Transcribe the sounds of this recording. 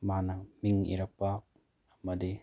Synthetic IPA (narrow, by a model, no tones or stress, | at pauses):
manɐmiŋḭɾɐk̚pa | ɐmɐdi